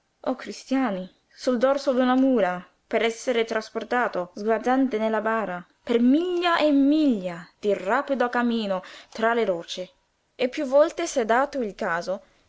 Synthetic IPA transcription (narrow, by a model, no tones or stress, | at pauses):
ɔkːɾist̪jaːni | suld̪ɔrsod̪unamuːla | peɾɛsːeɾet̪ɾasport̪aːt̪ozɡwazant̪enelːabaːɾa | permiʎːaʔemːiʎːad̪̥irapid̪oakamiːnot̪ɾaleɾɔːt͡ʃɪ | epːjuvːɔlt̪esɛd̪aːt̪oilkaːzo